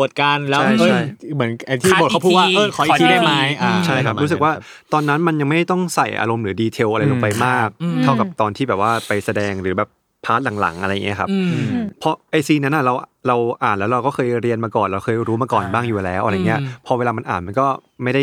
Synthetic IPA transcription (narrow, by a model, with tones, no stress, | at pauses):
u˨˩ət̪̚kaː˧nlɛː˦˥a˥˩jt͡ɕːʰa˥˩jmɯ˩˦ənʔa˧jt̪ʰiː˥˩o˨˩ka˥˩pʰuː˥˩wa˥˩ʔɤː˧˩kʰɔː˩˦ʔiː˧da˥˩jma˦˥jʔa˧t͡ɕʰa˥˩jkʰa˦˥ɾuː˦˥sɯ˨˩k̚waː˥˩ | t̪ɔː˧nːa˦˥nma˧nja˧ŋma˥˩jda˥˩t̪ɔ˥˩ŋsa˨˩jʔa̰ː˧ɾo˧mɾɯː˩˦diː˧t̪ʰe˧wʔa˧ɾa˧jlo˧pa˧jmaː˥˩k̚t̪ʰa˥˩wka˨˩p̚t̪ɔː˧nʰiː˥˩ɛː˨˩p̚waː˥˩pa˧jsa˧dɛː˧ŋɾɯː˩˦bɛː˨˩p | pʰːaː˦˥t̪̚la˨˩˦ŋla̰˨˩˦ŋʔa˧ɾa˧jːa˨˩i˦˥˩kʰa˦˥p̚pʰɔ˧˥ʔa˧jsiː˧na˦˥nʔa˨˩ɾa˧wʔɾa˧wʔaː˨˩nlɛː˦˥wɾa˧wkɔː˥˩xʰɤː˧jɾi˧ənmaː˧kɔː˨˩nɾa˧wxʰɤː˧jɾuː˦˥maː˧kɔː˨˩nbaː˥˩ŋjuː˨˩lɛː˨˦˥wʔɾa˧˨˩ŋː˩i˦˥ɐ˧pʰɔ˧weː˧laː˧ma˧nʔaː˨˩nma˧nkɔː˥˩ | ma˥˩jda˥˩j